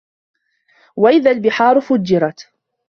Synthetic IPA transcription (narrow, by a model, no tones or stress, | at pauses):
waʔɪðaːlbɪħɑːɾʊfʊd͡ʒːɪɾˤɑt̪